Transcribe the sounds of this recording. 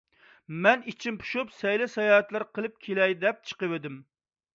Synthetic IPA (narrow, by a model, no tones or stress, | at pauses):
mɛnit͡ʃʰinpʰu̥ʃupsɛjlɛsɑjɑːɛt̪lˠɨɾqʰəlˠɨp̚kʲʰelɛjd̪ɛp̚t͡ʃʰə̥qəwed̪ɪm